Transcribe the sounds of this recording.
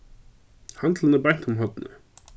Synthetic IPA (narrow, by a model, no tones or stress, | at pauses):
hand̪lənəban̥t̪ʰʊmɦɔd̪nə̰